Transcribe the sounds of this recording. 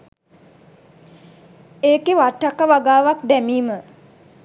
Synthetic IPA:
eːkeʋaʈːakəʋaɡaːʋak̚d̪æmiːmə

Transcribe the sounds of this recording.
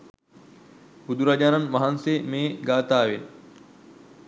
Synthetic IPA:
bud̪uɾad͡ʑaːnɐnʋaɦansemeːɡaːt̪aːʋen

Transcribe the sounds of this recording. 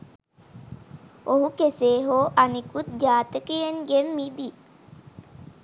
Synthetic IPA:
oɦukeseːɦoːʔanikut̪̚d͡ʒaːt̪əkejeŋɡemːid̪i

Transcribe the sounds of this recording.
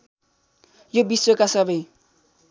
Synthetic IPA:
jobisokasʌbʌj

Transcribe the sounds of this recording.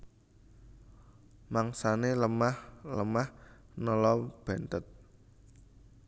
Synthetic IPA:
maŋsaneləmahləmahnɔlɔb̥ɛ̤nt̪ət̪̚

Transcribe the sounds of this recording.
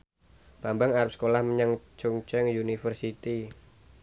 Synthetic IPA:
b̥ambaŋaɾap̚sə̥kolahməɲaŋt͡ʃuŋt͡ʃɛŋjunifərsit̪i

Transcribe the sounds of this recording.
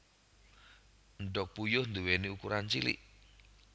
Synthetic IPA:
ɳɖɔk̚pujʊhnd̪uweniukuɾant͡ʃilḭʔ

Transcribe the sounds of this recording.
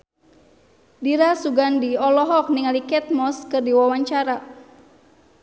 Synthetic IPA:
diɾasuɡandiɔlɔɦɔk̚niŋalikɛt̪̚mɔskɨrdiwawaɲt͡ʃaɾa

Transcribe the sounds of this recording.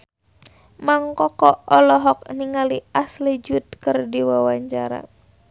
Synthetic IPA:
maŋkɔkɔɔlɔɦɔk̚niŋaliʔaslid͡ʒut̪̚kɨrdiwawaɲt͡ʃaɾa̰

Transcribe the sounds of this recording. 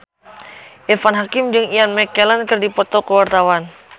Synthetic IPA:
ʔɛfanɦakɪmd͡ʒɨŋianmɛkːɛlankɨrdipɔt̪ɔkəwart̪awan

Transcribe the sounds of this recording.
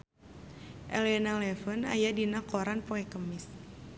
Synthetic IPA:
ʔɛlɛnalɛfəna̰jadinakɔɾanpɔɛkəmɪs

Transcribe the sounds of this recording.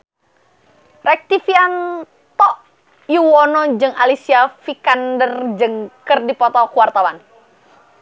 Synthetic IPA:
rɛk̚t̪ifian | t̪ɔʔ | juwɔnɔd͡ʒɨŋalisiafikandərd͡ʒɨŋkɨrdipɔt̪ɔkuwart̪awan

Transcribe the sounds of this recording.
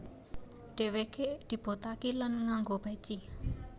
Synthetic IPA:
ɖ̥e̤wekeʔd̪̥i̤b̥ot̪akilanŋaŋɡob̥at͡ʃi

